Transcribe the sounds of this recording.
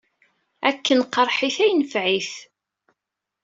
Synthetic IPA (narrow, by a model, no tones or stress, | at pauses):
ækːənqəɾˤħiθæjnəfʕiθ